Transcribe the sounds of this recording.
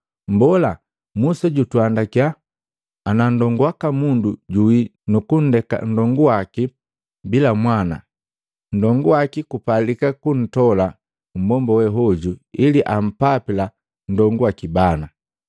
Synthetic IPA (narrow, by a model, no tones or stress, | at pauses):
m̩bɔla | musɛɟutwandakjaː | nandɔŋɡuwakamunduɟuwinukun̩dɛka̰n̩dɔŋɡuwaki | bilamwana̰ | n̩dɔŋɡuwakikupalikakun̩tɔla | m̩bɔmbɔwɛɦɔɟuiliʔam̩papila | n̩dɔŋɡuwakibana